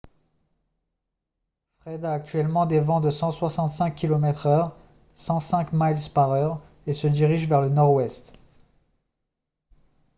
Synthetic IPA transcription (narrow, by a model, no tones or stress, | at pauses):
fχɛd̪aːk̚t̪ɥɛlmɑ̃d̪evɑ̃d̪əsɑ̃swasɑ̃t̪sɛ̃kʲːilɔmɛt̪χœʁ | sɑ̃sɛ̃kmajlspaʁœʁ | esəd̪iʁiʒvɛʁlənɔʁwɛst̪